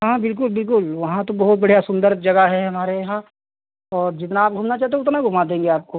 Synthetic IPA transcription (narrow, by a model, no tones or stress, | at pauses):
ɦãbɪlk̬ʊlbɪlk̬ʊlʋɐɦãt̪obɐɦʊt̪̚bɐɽijasʊ̃nd̪əɾd͡ʒɐɡaɦɛɦɐmaːɾejɐɦã | ɔːɾd͡ʒɪt̪naːp̚ɡʱʊmnat͡ʃaːt̪eʊt̪naɡʱʊmad̪ẽːŋɡeaːp̚ko